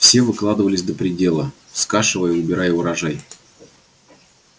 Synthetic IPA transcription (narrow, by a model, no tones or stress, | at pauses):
fsʲe̞vɨklˠad̪ɨvəlʲɪsʲd̪əpɾʲɪdʲe̞lˠə | skaʂɨvəjəʊbʲɪɾajəʊɾɐʐaj